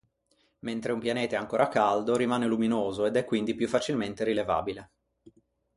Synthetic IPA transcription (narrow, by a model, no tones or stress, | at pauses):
ment̪ɾeumpjaneːt̪aɛaŋkoːɾʔakald̪oɾimaːneluminoːzoed̪ɛkːwind̪ipjufːat͡ʃilment̪eɾileva̰ːbile